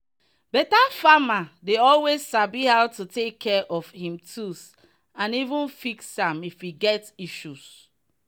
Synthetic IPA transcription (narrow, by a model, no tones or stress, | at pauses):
bɛtafamadeɔlwezːabihaʊtutekʰːɛʔɔfhĩmtʰus | ãnivũnfiksãmifiɡɛtiʃus